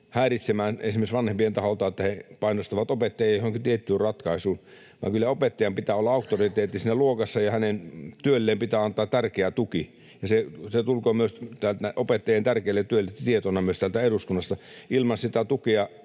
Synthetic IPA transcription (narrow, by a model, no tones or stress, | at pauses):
hæːrit̪semæːnesimeisʋɑnhempient̪ɑholt̪ɑːet̪ːæhepɑinost̪ɑʋɑt̪opet̪ːɑjɑjjohoŋkit̪iet̪ːyːrrɑt̪kɑisuːn | ʋɑ̰ːŋkylːæopet̪ːɑjɑmpit̪æːolːɑɑˑukt̪orit̪eːt̪ːisiːnːæluokɑsːɑjɑhænent̪yølːeːmpit̪æːɑnt̪ˑɑːt̪tærkeæt̪uki | jɑseset̪ulkoːmyøst̪ælt̪æʔopet̪ːɑjent̪ærkeilːet̪t̪yølːet̪t̪iet̪onɑmyøst̪ælt̪æeɾuskunːɑst̪ɑilmɑnsit̪æt̪ukeɑ